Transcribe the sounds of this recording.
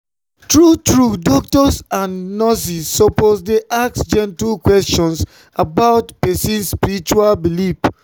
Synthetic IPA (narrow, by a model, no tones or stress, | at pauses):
tɹutɹudɔk̚tɔsãnːɔsisːoposdeʔaksd͡ʒɛ̃ntulkwɛst͡ʃɔ̃ns | abaʊtpɛsĩnspiɹit͡ʃualbilif